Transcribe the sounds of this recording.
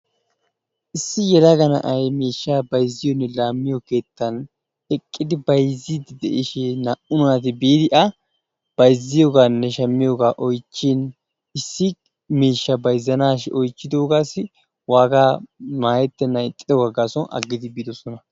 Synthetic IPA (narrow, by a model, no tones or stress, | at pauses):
ʔɪsːɪjɛlɐɡɐnɐ̰ʔɐjmeːʃːaːbɐjzːɪjɔnːɛlaːmːɪjɔke̞ːt̪ːɐn | ɛkʼːɪd̪ɪbɐjzid̪d̪ɛ̰ʔɪʃɛnɐʔʊnat̪ɪbiːd̪ɪʔɐ | b̥ɐjzːɪjoːɡaːnːɛʃɐmːɪjoɡaːʔɔjt͡ʃːɪn | ɪsːɪ | meːʃːɐbɐjzːɐnaːʃʔɔjt͡ʃːɪd̪oːɡaːsɪ | waːɡaːmaːjɛt̪ːɛnːɐt̪ʼːɪd̪ɔɡɐɡaːsɔnɐ̰ɡːɪd̪ɪbiːd̪ɔsɔnɐ